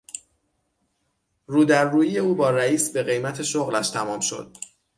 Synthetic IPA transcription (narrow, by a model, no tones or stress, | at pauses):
ruːd̪æɾːuːjije̞uːbɒːɾæiːsbe̞ɣe̞jmæt̪ʰe̞ʃoɣlæʃt̪ʰæmɒːmʃo̞̰d̪̥̚